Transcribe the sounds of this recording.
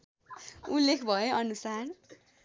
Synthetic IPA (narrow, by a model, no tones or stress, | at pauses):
ulːekʰbʱʌjoʌnusar